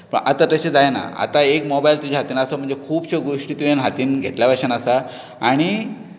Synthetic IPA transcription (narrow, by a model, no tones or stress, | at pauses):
pə̰ɳʔa̰t̪at̪aɕed͡zajna̰a̰t̪aekmɔbajlt̪ud͡ʑʱaɦat̪iːnasam̤əɳd͡zekʰuːbɕeɡoʂʈiːt̪ujanɦat̪iːnɡʱeʈljabaɕənasa | aɽ̃i